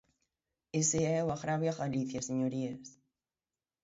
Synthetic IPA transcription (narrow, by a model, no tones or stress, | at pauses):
eseɛwaɣɾaβjaɣaliθjaseɲoɾies